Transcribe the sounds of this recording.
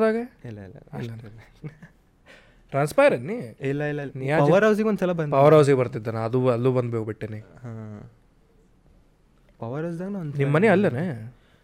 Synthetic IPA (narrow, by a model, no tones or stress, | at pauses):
d̪aːɡeilːɐilːɐ̰ɐɐn | ʈɾaːnspɐjɾeɳniilːɐilːɐnjaːɐʋɐɾɦɐws̬iɡeond̪sɐlɐbɐpɐʋɐɾɦɐws̬iɡebɐɾt̪id̪ːɐnɐd̪uɐlːuːbɐnd̪bekubiʈːeniɦa | pɐʋɐɾɐs̬d̪aːɡɐnaɐnnimːɐneɐlːɐne